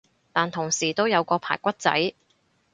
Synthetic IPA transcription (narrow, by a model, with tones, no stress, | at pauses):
t̪aː˨nt̪ʰʊ˨˩ŋsiː˨˩t̪o˥wjɐ˨˧wkɔː˧pʰa̰ː˨˩jkʷɐ˥t̚t͡sɐ̰˨˥j